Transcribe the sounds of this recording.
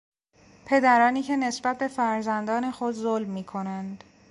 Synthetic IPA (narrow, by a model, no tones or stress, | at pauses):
pʰe̞d̪æɾɒːniːcʰe̞ne̞sbæt̪̚be̞fæɾzænd̪ɒːnexod̪zolmːiːkʰo̞nænd̪